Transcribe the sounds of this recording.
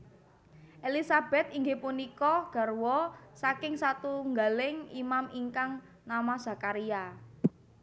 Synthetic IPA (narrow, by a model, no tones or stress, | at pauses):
ʔelisab̥ɛ̤t̪̚iŋɡepunikɔɡ̥a̤rwɔsakɪŋsat̪uŋɡalɪŋimamiŋkaŋ | namaz̥a̤kaɾia